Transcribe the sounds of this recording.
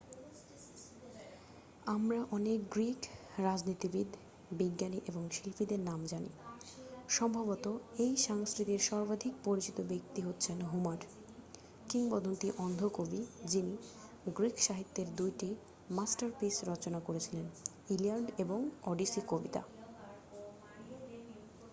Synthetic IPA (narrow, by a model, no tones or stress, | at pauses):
amɾaʔɔnekɡɾikɾad͡ʑnit̪ibid̪ʱ | biɡːaniʔeboŋʃilfid̪eɾnamd͡ʑanḭ | ʃɔmbʱabot̪oejʃaŋskɾit̪iɾʃɔɾbad̪ʱik̚poɾit͡ɕit̪obek̚t̪iɦotːɕʰenɦumaɾ | kiŋbɔd̪ʱont̪iʔɔnd̪ʱokobid͡ʑini | ɡɾikʰʃaɦit̪ːeɾd̪ujʈi | masʈaɾpisɾɔt͡ɕonakoɾet͡ɕʰilen | iliaɾɖeboŋɔɖisikobit̪a̰